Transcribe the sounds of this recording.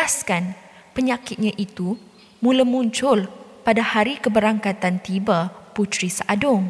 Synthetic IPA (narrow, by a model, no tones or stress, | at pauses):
askan | pəɲãkɪt̪̚ɲãʔit̪u | mũlamũɲt͡ʃʊlpadahaɾikəbəɾaŋkat̪ant̪ibaput̪ɾisaʔadʊŋ